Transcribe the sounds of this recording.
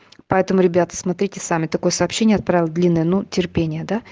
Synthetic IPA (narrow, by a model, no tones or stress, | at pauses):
pɐɛt̪əmʊɾʲɪbʲat̪ə̥smɐt̪ɾʲitʲɪsamʲɪt̪ɐko̞jəsɐːpɕːenʲjəɐt̪̚pɾavʲɪlˠəd̪lʲinːəjənutʲɪrpʲenʲɪjəd̪a